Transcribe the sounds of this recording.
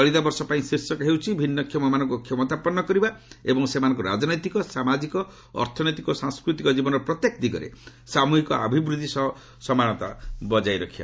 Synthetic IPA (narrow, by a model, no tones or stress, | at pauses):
ɔɭid̪abɔɾsɔpaĩsɾisjɔkɦewt͡ʃʰibʱinːɔkʰjɔmɔmanɔŋkukʰjɔmɔt̪apɔnːɔkɔɾibaebɔŋsemanɔ̃ŋk̬uɾa̰d͡ʒnɔjt̪ikɔsamad͡ʒikɔ | ɔ̰ɾt̪ʰɔnɔjt̪ikɔsaŋskɾut̪ikɔd͡ʒibɔnɔɾɔpɾɔt̪jekd̪iɡɔ̰ɾḛsamuɦikɔa̰bʱibɾud̪ʱisɔɦɔ | sɔmanɔt̪a̰bɔd͡ʒajɾɔkʰiba̰